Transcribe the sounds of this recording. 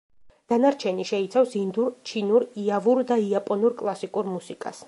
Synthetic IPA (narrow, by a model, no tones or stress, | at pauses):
d̪̥anaɾt͡ʃʰɛniʃɛit̪sʰafsind̪uɾt͡ʃʰinuɾiavuɾd̪aiapʼɔnuɾkʼlˠasikʼuɾmusikʼa̰s